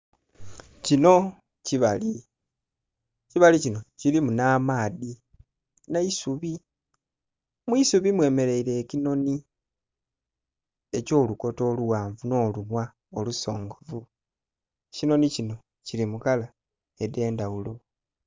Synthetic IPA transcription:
cino̞ | ciβali | ciβalicino̞cilimunaːmaːði | naisuβi | mwisuβimwe̞ːme̞le̞iɾe̞ːcino̞ni | e̞co̞ːluko̞to̞ːluwaːɱvuno̞ːlumwa | oluso̞ːŋɡo̞vu | cino̞nicino̞ | cilimukala | e̞de̞ːndawulo̞

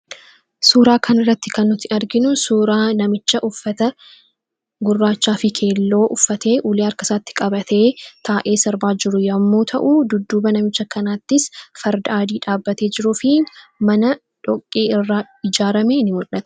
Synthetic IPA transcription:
suːɾaːkʰɐnɪrːɐt̪ːɪkɐnːʊt̪ːɪɐɾɡɪnʊsuːɾaːnɐmɪt͡ʃːɐʔʊfːɐt̪ɐ | ɡʊrːaːt͡ʃːaːfɪkʰe̞ːlːo̞ːʔʊfːɐt̪ʰe̞ːʔuːleːɐɾkɐsaːt̪ːɪ̥kʼɐbɐt̪ʰe̞ːt̪ʰaːʔe̞ːsɐɾbaːd͡ʒɪɾʊjɐmːoːt̪ʰɐ̰ʔud̪ʊd̪ːuːbɐnɐmɪt͡ʃːɐkɐnaːt̪ːɪsfɐɾd̪ʔaːd̪iːᶑaːbːɐt̪e̞ːd͡ʒɪɾufɪmɐnɐ | ᶑɔkʼːeːɪrːaː | ɪd͡ʒaːɾɐmeːnɪmʊᶑɐt̪

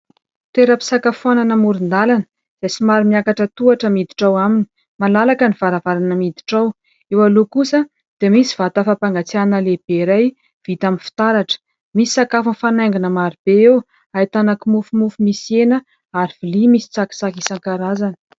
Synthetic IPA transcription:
t̪eɾəpi̥sakafuananəmuɾind̪alanə̥ | z̥ajt͡simaɾimiakaʈ͡ʂət̪uaʈ͡ʂəmid̪i̥ʈ͡ʂawamini̥ | malalakəniv̥aɾavaɾanəmid̪i̥ʈ͡ʂaw | ewalokusə | d̪̥emisiv̥at̪əfapaŋɡat͡sianəleb̥eɾaj | v̥it̪aminfi̥t̪aɾaʈ͡ʂə̥ | misi̥sakafunfanaŋɡinəmaɾib̥eew | ajt̪anakimufumufumisenə | aɾivilimisi̥t͡saki̥sakisaŋkaɾazanə̥

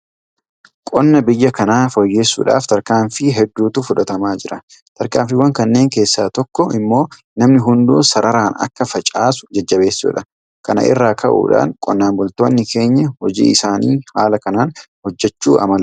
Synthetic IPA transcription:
kʼɔnːɐbɪjːɐkɐnaːfɔjːe̞ːsːṵːᶑa̰ːft̪ɐɾkaːɱfɪɦɛd̪ːuːt̪ʊfʊᶑɐt̪ɐmaːd͡ʒɪɾɐ | t̪ɐɾkaːmfɪwɐŋkɐnːe̞ːŋke̞ːsːa̰ːt̪ɔkːɔɪmːo̞ː | nɐmnɪɦʊnd̪uːsɐɾɐɾaːnɐ̰kːɐfɐt͡ʃʼaːsʊ̥d͡ʒɐd͡ʒːɐbe̞ːsːṵːᶑɐ | kɐnɐ̰ʔɪ̰rːaːkʰɐʔṵːᶑa̰ːŋkʼɔnːaːmbʊlt̪o̞ːnːɪkʰe̞ːɲːɐhɔd͡ʒḭːɪsaːnḭːhaːlɐkɐnaːnhɔd͡ʒːɛt͡ʃːuːʔɐ̰mɐl

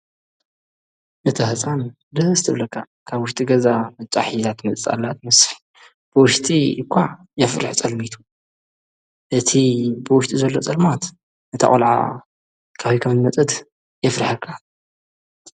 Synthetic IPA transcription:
nɨt̪ʰɐhɨt͡sʼan | d̪ɨhɨzt̪ʰɨβlɐkʰːa | kʰaβwʊʃt̪ʼiɡɐzamɨt͡ʃʼa̰ħit̪ʰat̪mɐt͡sʼt͡sʼa̰lːat̪̚mɐsħ | b̥ɨwʊʃt̪ʼikʷʰːaʕ | jɛfɾɨ̰ħt͡sʼɐlmit̪ʰu̥ | ʔɨt̪ʰibɨwʊʃt̪ʼizɐlːo̞t͡sʼɐlmat̪ | nɨt̪ʰɐ̰χʼolʕa̰ | kʰaβikʰɐmnmɐt͡sʼɨt̪ | jɛfɾħɐkʰːa

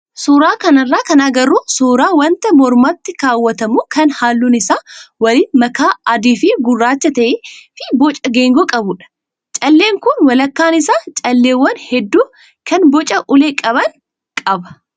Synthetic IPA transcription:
suːɾaːkɐnɐrːaːkɐnaːɡɐɾuːsuːɾaːwɐnt̪ɐmɔɾmaːt̪ːɪkaːwːɐt̪ɐmuːkɐnhaːlːuːnɪsaːwɐlɪnmɐkaːɐd̪iːfɪɡʊrːaːt͡ʃːɐt̪ɐʔeːfɪbɔt͡ʃʼɐɡeːŋɡɔkʼɐbʊᶑɐ̥ | t͡ʃʼɐlːeːŋkʊnwɐlɐkːaːnɪsaːt͡ʃʼɐlːeːwːɐnhɛd̪ːuː | kʰɐnbɔt͡ʃʼɐʔʊleːkʼɐbɐŋ | kʼɐbɐ̥

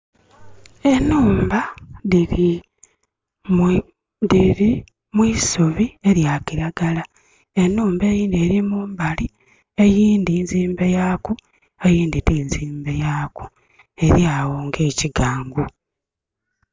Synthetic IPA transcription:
e̞nuːmbai | diɾi | mwiːsoβie̞ɾjaːkiɾaɡala | e̞nːuːmbe̞ːjiːnd̪ie̞ːɾimuːmbali | e̞jiːnd̪inziːmbe̞jaːku | e̞jiːnd̪itiːnziːmbe̞jaːku̥ | e̞ɾjaːwoːŋɡe̞ːciɡaːŋɡu

